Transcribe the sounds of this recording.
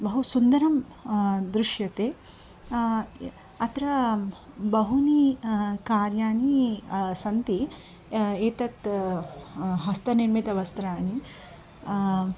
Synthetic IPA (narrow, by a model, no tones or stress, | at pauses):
bɐɦusund̪ɐɾɐm | d̪ɾuʃjɐt̪eː | ɐt̪ɾɐ | bɐɦunikaːɾjaːɳisɐnt̪i | eːt̪ɐt̪ | ɦɐst̪ɐniɾmit̪ɐʋɐst̪ɾaːɳi